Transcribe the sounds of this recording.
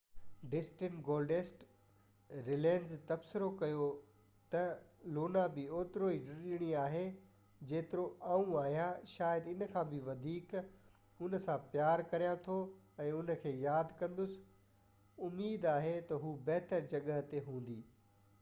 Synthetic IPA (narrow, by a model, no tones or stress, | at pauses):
ɖɪsʈɪɳʈɡoːlɖeːsʈ | ɾɪlẽːnzt̪ɐbsɪɾokɐjo | t̪ɐloːnabɪoːt̪ɾoiɖɪɾɗɪɽ̃iaːɦe | d͡ʑeːt̪ɪɾoãːũaːɦijaʃaːjəd̪ɪnə̆kʰãːbɪʋɐd̪ʱiːk | ʊnə̆sãpjaːɾkɐɾijãt̪ʰo | ɛ̃ːʊnə̆kʰeːjaːd̪kɐ̃nd̪ʊsɪ̥ | ʊmːiːd̪aːɦet̪ɐɦuːbɐɦt̪əɾd͡ʑɐɠəɦt̪eɦũːn̆d̪iː